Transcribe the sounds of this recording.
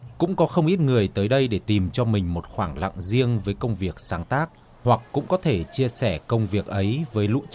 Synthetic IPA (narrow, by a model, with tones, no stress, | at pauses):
kʊ̰˧˥ŋ͡mkɔ˨˦xə˧wŋ͡mʔi˦˥t̚ŋɨ˨˩əjt̪əː˨˦jɗə˧jɗe˧˩t̪i˨˩mt͡ɕɔ˧mï˨˩ŋ̟mo˨˩t̚xwaː˧˩ŋla̰˧˨ŋzi˧əŋvəː˨˦jkə˧wŋ͡mvi˨˩ək̚saː˨˦ŋt̪aː˦˥k̚ | hwa˨˩kːʊ̰˧˥ŋ͡mkɔ˨˦t̪ʰe˧˩t͡ɕi˧əsɛ˧˩kə˧wŋ͡mvi˨˩ək̚ʔə˨˦jvəː˨˦jlṵ˧˥